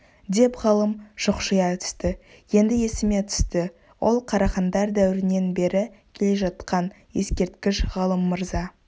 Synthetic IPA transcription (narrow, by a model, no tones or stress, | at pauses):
d̪e̞pʁɑlˠəmʒ̥ʊqʃəjɑt̪ʰʏ̥st̪ɪ | je̞nd̪ɪje̞sɪme̞t̪ʰʏ̥st̪ɪ | wʔo̞lˠqʰɑɾɑχɑnd̪ɑɾd̪æwɪɾɪne̞nbe̞ɾɪkʲʰele̞ʒɑt̪qɑn | je̞skʲe̞ɾt̪kʲɪʃʁɑlˠəmːəɾzɑ